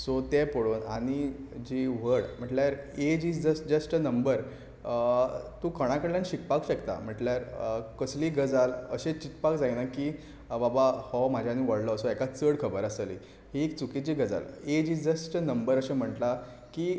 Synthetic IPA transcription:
sot̪ɛpoɽoːna̰ɽ̃id͡ʑiʋəɽm̤əʈljaɾed͡ʑid͡zəsd͡ʑəsʈnəmbəɾ | t̪ũːkʰəɽ̃ãkəɽljãnɕikpakɕəkt̪a̰m̤əʈljaɾkəsliːɡəd͡zalə̰ɕẽt͡ɕit̪pakd͡zainaki | babahɔm̤ad͡ʑʱjanːiʋəɽlɔsɔɛkat͡səɽkʰəbəɾasəlḭ | ɦiekt͡sukit͡ɕiɡəd͡za̰led͡ʑiːd͡zəsʈənəmbəɾəɕẽm̤əʈla | ki

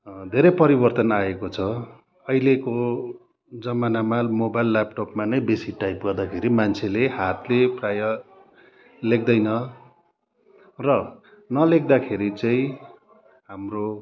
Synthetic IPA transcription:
d̪ʱeɾʌjpʌɾibʌrt̪ʌnaekot͡sʰʌ | ʌjleko | d͡zʌmanamamobajlːap̚ʈopmanʌjbesiʈajpɡʌrd̪akʰeɾimant͡sʰeleɦat̪leprajʌ | lek̚d̪ʌjnʌ | rʌ | nʌlek̚d̪akʰeɾit͡saĩ | ɦamro

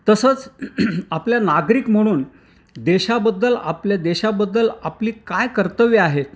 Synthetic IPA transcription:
t̪əsəːt͡s | apljanaɡɾiːkm̤əɽ̃uːn | d̪eɕabəd̪ːəla̰pljad̪eɕabəd̪ːəlapliːkajkəɾt̪əʋiaɦet̪

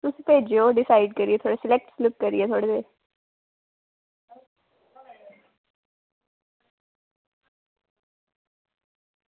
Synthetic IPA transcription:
t̪ʊsĩːpeːd͡ʒeoːɖɪsaːiɖkəɾieːt̪ʰoːɽesɪlɛk̚ʈslɪp̚kəɾḭeːt̪ʰoːɽeteː

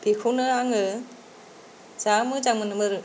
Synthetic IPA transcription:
b̥ikʰunɯaŋɯ | d͡ʒamɯd͡ʒaŋmɯnɯmɯɾɯ

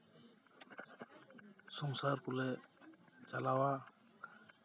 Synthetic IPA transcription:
sɔŋsaɾkɔlɛ | t͡ʃalawa

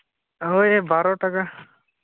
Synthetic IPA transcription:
ɦojebaːɾoʈəka

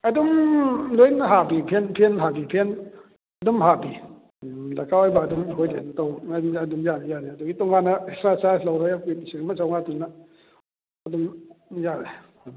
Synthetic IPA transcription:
adumlunɦabipʰɛnpʰɛnɦabipʰɛn | dumɦabi | lakawajbadumɦɔjdent̪ɔwaadumjanjaːnadɔŋit̪ɔŋaːnasɾasalɔwɾɔjapisikmat͡saŋat̪una | adumja

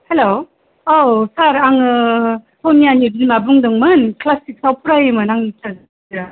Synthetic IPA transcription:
helo | osaɾaŋɯ | tʰonianibilmabuŋdɯŋmɯnklasik̚sawpʰuɾajɯmɯnaŋnit͡ʃaz | ɾa

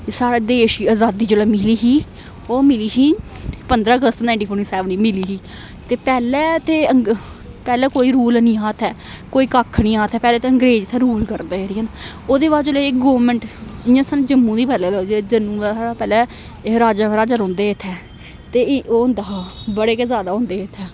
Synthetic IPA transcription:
saːɽeːd̪eːʃiːaːzaːd̪iːd͡ʒolɛːmɪliːɦiː | oːmɪliːɦiː | pənd̪ɾaːəɡəst̪nãɪɳʈiːpʰoːɾʈiːsɛːʋnĩːmɪliːɦiː | t̪eːpɛːlɛːt̪eːəŋ | pɛːlɛːkoːiːɾuːlnĩːɦaːt̪ʰɛː | koːiːkakʰːnĩːɦaːt̪ʰɛːpɛːlɛːt̪eəŋɡɾeːd͡ʒt̪ʰɛːɾuːlkəɾd̪eːɛɾiːən | oːd̪eːbaːd͡ʒolekɡoːʋmɛ̃ɳʈɪjãːsaːnːd͡ʒəmːũːd̪iːpɛːlɛːd̪ad͡ʒd͡ʒənũːd̪asaːɽaːpɛːlɛː | ɾaːd͡ʒaːbɾaːd͡ʒəɾõːnd̪eːɪt̪ʰɛː | t̪eːoːʊ̃nd̪aːbəɽeːkeːzjaːd̪aːɦʊ̃ːnd̪eːɪt̪ʰɛː

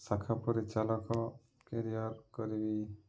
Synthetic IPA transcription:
sakʰapɔɾit͡ʃalɔkɔ | keɾijaɾkɔɾibi

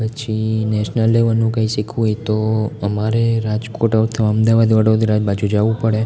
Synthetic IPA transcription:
pət͡ʃʰinɛʃnəlːeʋənũkãĩʃikʰʋũet̪oəmaɾeɾad͡ʒkoʈəʋt̪ʰəʋəmd̪aʋad̪iʋəɽod̪iɾad͡ʒbad͡ʒud͡ʒaʋũpəɽe

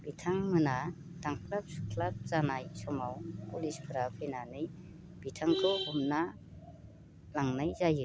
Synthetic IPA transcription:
b̥itʰaŋmɯna | d̥aŋkʰlap̚su̥kʰlap̚zanajsɔmawpulispʰɯɾapʰɯnanɯj | b̥itʰaŋkʰɯhumna | laŋnajzajɯ

